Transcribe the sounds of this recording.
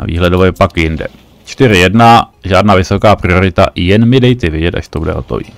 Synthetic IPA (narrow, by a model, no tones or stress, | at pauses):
a̰vḭːɦlɛdovojɛpakjɪndɛ̰ | t͡ʃt̪ɪɾɪjɛdnaʒaːdnaːvɪso̞kaːpɾɪo̞ɾɪt̪aʔjɛnmɪdɛjt̪ɛvjɛɟɛt̪ʔa̰ʃt̪obudɛ̰ɦo̞t̪o̞̰vḭː